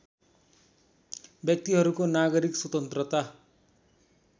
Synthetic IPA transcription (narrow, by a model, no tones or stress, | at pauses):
bjʌk̚t̪iɦʌɾukonaɡʌɾikswʌt̪ʌnt̪rʌt̪a